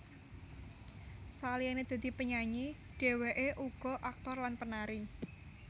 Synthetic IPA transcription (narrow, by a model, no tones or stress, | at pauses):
salianed̪̥a̤d̪̥i̤pəɲaɲi | ɖ̥e̤weʔeʔuɡ̥ɔ̤ʔak̚t̪ɔrlanpənaɾi